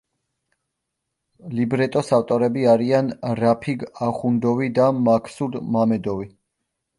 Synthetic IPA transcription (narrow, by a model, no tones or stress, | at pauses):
libɾɛt̪ʼɔsaft̪ʼɔɾɛbiaɾianɾapʰiɡaχund̪ɔvid̪amakʰsud̪mamɛd̪ɔvi